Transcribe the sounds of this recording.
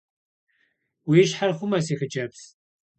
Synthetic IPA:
wiɪʃħarχʷʊmɐsiːxəd͡ʒɐps

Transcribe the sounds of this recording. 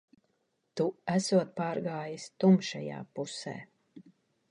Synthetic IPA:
t̪uæsuɔt̪̚paːɾɡaːjist̪umʃɛja̰ːpusɛ̰ː

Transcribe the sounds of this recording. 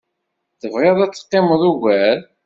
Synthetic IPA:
θəvʁeðˤæt͡sːə̥qːeməðˤuʝæɾ

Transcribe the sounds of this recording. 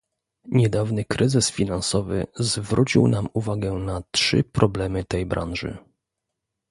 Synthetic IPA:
ɲɛd̪avnɘkɾɘzɘsfʲinansɔvɘ̰zvɾut͡ɕḭwnamuvaɡɛnatʂɘ̰pɾɔblɛmɘt̪ɛjbɾʔa̰nʐɘ̰

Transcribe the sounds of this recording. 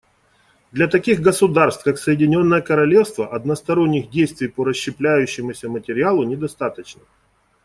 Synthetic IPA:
d̪lʲɐt̪ɐkʲiɣɡəsʊd̪arst̪kaksəjɪdʲɪnʲo̞nːəjəkəɾɐlʲe̞fst̪vəʔɐd̪nəst̪ɐɾonʲːɪɣdʲejst̪vʲɪjpəɾəɕːɪplʲæjʉɕːɪmʊsʲəmətʲɪɾʲɪalˠʊnʲɪd̪ɐst̪at̪ət͡ɕnə

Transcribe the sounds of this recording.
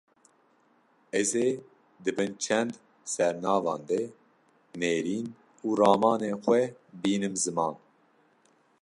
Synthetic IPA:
ɛzeː | d̪ɨbɨnt͡ʃʰɛnd̪ | sɛɾnɑːvɑ̰ːnd̪ɛ | neːɾiːn | uːɾɑːmɑːneːxwɛbiːnɨmzɨmɑːn

